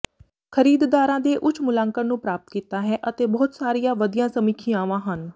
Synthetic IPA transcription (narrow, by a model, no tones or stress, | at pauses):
kʰəɾiːd̪d̪aːɾãːd̪eːʔʊt͡ʃʰmʊlãːŋkəɾnũːpɾaːp̚t̪kiːt̪aːɦɛːʔət̪eːbɔːt̪saːɾijãːʋəd̪ijãːsəmiːkʰiːãːʋãːɦən